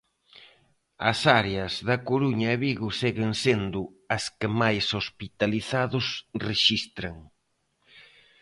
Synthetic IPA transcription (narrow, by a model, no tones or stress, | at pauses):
ɐ̰saɾeɐzðɐkoɾuɲɐeβiɣʊseɣɪŋsend̪ʊ | ɐskɪmajsospit̪aliθaðʊsreʃist̪ɾɐŋ